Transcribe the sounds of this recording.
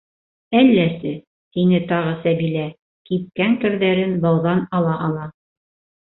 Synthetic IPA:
ælːæsɘ | t̪inɘt̪ɑʁɤsæbilæ | kip̚kæŋkɘ̆ɾðæɾɘnbɑwðɑnɑlˠɑʔɑlˠɑ

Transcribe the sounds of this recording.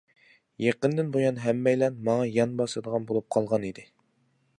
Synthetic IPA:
jeqənd̪ɪnbojɑnɦɛmːɛjlɛnmɑŋɑjɑnbɑsɨd̪əʁɑnbolˠup̚qʰɑlˠʁɑnid̪ɪ

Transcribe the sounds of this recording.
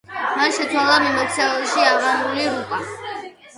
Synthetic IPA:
manʃɛt̪sʰwalˠamɛmɔt̪sʰɛɛlˠʃiaʁaɾuliɾukʼa

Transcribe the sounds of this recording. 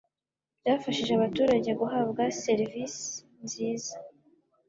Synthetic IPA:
bɟaːfaʃiʒeaβatuːɾaɟe̞ɡuɦabɡase̞ɾvisi̥ | nziːza

